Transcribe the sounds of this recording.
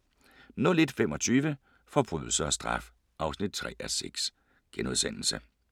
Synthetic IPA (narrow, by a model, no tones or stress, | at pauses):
nɔ̽le̝d̥femɒ̽t͡sʰyːʋə | fɒ̽b̥ʁy̰ðˠl̩səɒ̽sd̥ʁɑ̈f | ʔɑ̈ʊsnid̥̚t͡sʰʁɛ̰ːʔæseɡ̥s | ɡ̥enuð̞ˠsen̰l̩sə